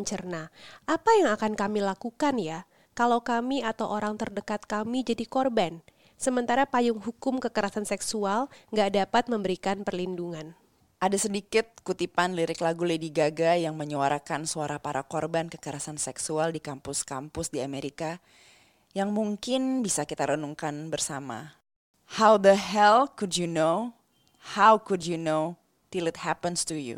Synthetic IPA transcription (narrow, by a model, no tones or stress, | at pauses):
ɲt͡ʃərnaʔapajaŋakankamilakukanja | kalawkamiat̪awʔoɾaŋt̪ərdəkat̪̚kamid͡ʒadikɔrban | səmənt̪aɾapajʊŋɦukʊmkəkəɾasansɛksualŋɡaʔdapat̪̚məmbəɾikanpərlinduŋan | ʔadasədikɪt̪̚kut̪ipanliɾɪklaɡulediɡaɡajaŋməɲuwaɾakansuaɾapaɾakɔrbankəkəɾasansɛksualdikampʊskampʊsdiameɾika | jaŋmuŋkɪnbisakit̪aɾənuŋkanbərsama̰ | hawd̪əɦɛlkudjuno | hawkudjuno | t̪ɪlɪt̪̚hapənstujṵ